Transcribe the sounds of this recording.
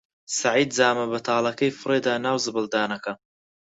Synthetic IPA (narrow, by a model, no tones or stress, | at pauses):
sɐʕiːd̪zaːmɐbɐt̪ʰɑːlˠɐkɐjfɨreːd̪aːnaːwzɨbɨld̪aːnɐkɐ